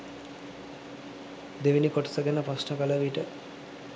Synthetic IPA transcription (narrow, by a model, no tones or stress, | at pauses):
d̪eʋinikoʈə̥səɡenəpasnəkaləʋiʈə